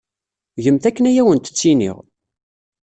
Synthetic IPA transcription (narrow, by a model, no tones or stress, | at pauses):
ʝəmθækːənæjæwənt̪ə̥t͡sːinḭʁ